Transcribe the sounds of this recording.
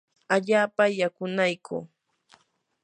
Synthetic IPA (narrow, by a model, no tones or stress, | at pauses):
aʎaːpajakʊnajkʰṵː